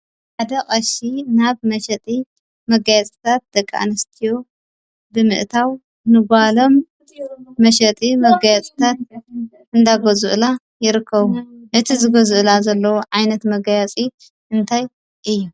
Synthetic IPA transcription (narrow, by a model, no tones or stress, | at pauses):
ħad̪ɐkʼɐʃinaβmɐʃɐt̪ʼi | mɐɡajat͡sʼɨt̪ʰat̪̚d̪̥ɐkʼːaʔa̰nɐst̪ʰijo̞ | bɨmɨ̰ʔt̪ʰaw | nɨɡʷalo̞mː | ɐʃɐt̪ʼimɐɡajat͡sʼt̪ʰat̪̚ | ʔɨnd̪aɡozuʔla | jɪɾɨkʰːɐβuʔɨt̪ʰizɨɡozuʔlazɐlːɐwoʕajnɐt̪mɐɡajat͡sʼi | ɨnt̪ʰaj | ʔɨjːu